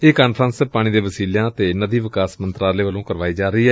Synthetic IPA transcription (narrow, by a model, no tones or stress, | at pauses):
eːkaːnpʰɾãnspaːɽ̃ĩːd̪ẽːʋəsiːljãːt̪eːnəd̪iːʋɪkaːsmənt̪ɾaːleːʋəlõːkəɾʋaːiːd͡ʒaːɾəiːɦɛː